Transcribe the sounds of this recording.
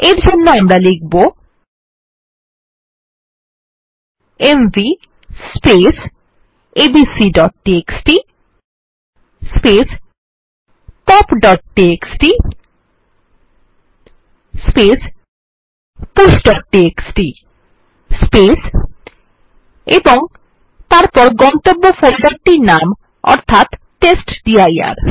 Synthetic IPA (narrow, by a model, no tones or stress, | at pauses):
eɾd͡ʑʱonːoamɾalek̚bo | embi | spes | ebisiɖɔʈːieksʈi | spes | ʈɔpɖɔʈ̚ʈieksʈi | spes | pusɖɔʈːieksʈi | spes | eboŋ | t̪aɾpɔɾɡɔnt̪obːofolɖɔʈ̚ʈinam | ɔ̰ɾt̪ʰat̪ːesʈɖiaja̰ɾ